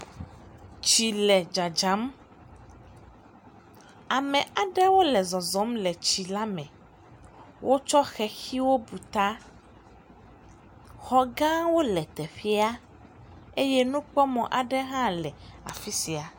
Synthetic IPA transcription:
t͡ɕi˨lɛ˨d͡ʒa˨d͡ʒa˨˦m | a˨mɛ̃˨a˨ɖɛ˦wo˦lɛ˨zɔ˨zɔ˨˦mlɛ˨t͡ɕi˨la˦mɛ̃˨ | wʔo˦t͡ʃɔ˦xɛ˨xi˦wo˦bu˨t̪a˦ | xɔ˦ɡã˦wo˦lɛ˨t̪ɛ˨ɸi˦a˦ | e˦jɛ˦nũ˦k͡pɔ˦mɔ̃˨ʔa˨ɖɛ˦ɦã˦lɛ˨a̰˨fi˦si˨a˨

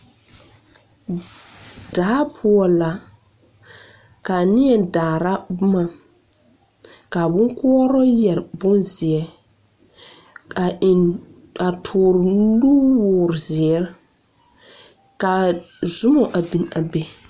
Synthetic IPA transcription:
d̥aː˨˦pʰʊ˦ɔ˨la˨ | ka˨nɪ˦ɛ˨daː˨ɾa˦bʊ˦ma˨ | ka˨bʊ˦ŋkʊ˦ɔ˦ɾɔ˦jɛ˨ɾbʊ˦nzɪ˨ɛ˨ | a˨ | a˨tʰʊː˨ɾlu˦wʊː˨ɾzɪ˨ɛ˨˦ɾ | ka˨ | zʊ˦mɔ˨ʔa˨bi˨n˨a˨be˦

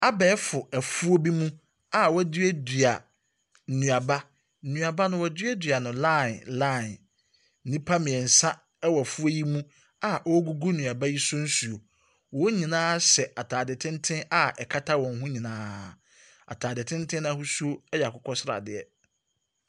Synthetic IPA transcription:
a˦bɛː˨˦fʊ˨æ˨fu˦o˦bi˦mũ˦ | a˦˨wɔ˦dɥɛ˦dɥa˨ | n̩˨nũ˨a˨ba˦ | n̩˨nũ˨a˨ba˦nʊ̃˦wɔ˨dɪ˦ɛ˦dɥa˨nʊ̃˨la˦˨nla˦˨n˦ | nĩ˦pʰa˦mɪ̃˨ɛ˨n̩˨sã˦ | ɛ˦wɔ˨æ˨fu˦ji˦mũ˦ | a˨ʔɔ˦ɡu˦ɡu˦nũ˨a˨ba˦ji˦sʊ̃˦n̩˦su˨o˨ | wɔ˨˦ɲĩ˨nãː˦sɛ˨ʔa˨tʰaː˨dɪ˨tʰɪ̃˦ntʰɪ̃˦na˦ʔɛ˨kʰa˦tʰa˦wɔ̃˨ŋ˦ɦʊ̃˦ɲĩ˨nãː˦˨ | a̰˨tʰaː˨dɪ˨tʰɪ̃˦n˦tʰɪ̃˦ñ˦a˦hu˦su˦o˦ɛ˦jɛ˨a˨kʰʊ˦kʰɔ˦sɪ˦ɾa̰˨dɪ˨ɛ˨

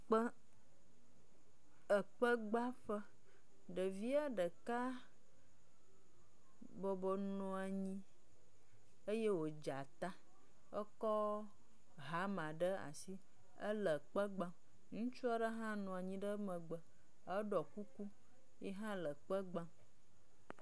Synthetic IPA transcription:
k͡pə˦ | ə˨k͡pə˦ɡ͡ba˦ɸə˦ | ɖə˨vi˦a˦ɖə˨ka˦ | bɔ˨bɔ˨nɔ̃˨a˨ɲĩ˦ | ə˦je˦wo˨d͡ʒa˨t̪a˦ | ə˦kɔ˦ | ɦa˨˦mã˨ɖə˦a̰˨si˦ | ə˦lə˨k͡pə˦ɡ͡bã˦m | ŋũ˦t͡ʃu˦a˦ɖə˦ɦã˦nɔ̃˨a˨ɲĩ˨ɖə˦mə̃˨ɡ͡bə˨ | ə˦ɖɔ˨ku˦ku˦ | jɛ˦ɦã˦lə˨k͡pə˦ɡ͡bã˦

